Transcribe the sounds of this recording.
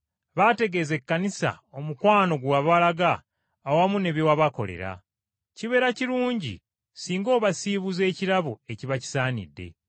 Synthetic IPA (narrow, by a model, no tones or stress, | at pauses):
βate̞ɡe̞ze̞kːanisa̰o̞mukwaːno̞ɡwaβalaɡaː | wamune̞βjowaβako̞̰le̞̰ɾa̰ | ciβe̞ːɾaciɾuːɲɟḭ | siːŋɡo̞ːβasiβuze̞ːciɾaβue̞ciβaci̥saːnḭdːe̞̰